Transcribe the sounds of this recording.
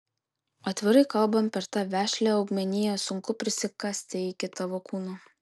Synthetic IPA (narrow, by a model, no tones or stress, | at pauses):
ɐt̪ʲʋʲɪɾɐɪkɐlˠbɐmpʲɛɾt̪ɑːʋʲæːʃʲlʲæːɒʊɡmʲɛnʲɪjɛsʊŋkʊpʲɾʲɪsʲɪkɐsʲt̪ʲeɪkʲɪt̪ɐʋokuːnu